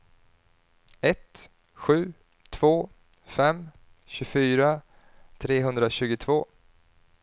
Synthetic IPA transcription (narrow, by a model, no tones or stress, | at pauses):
ɛt̪ | ɧʉ̟ː | t̪ʰv̥oː | fɛm | ɕɵfyːɾa | t̪ʰɾeːɦɵnd̪ɾaɕʉ̟ːɡʊt̪ʰvoː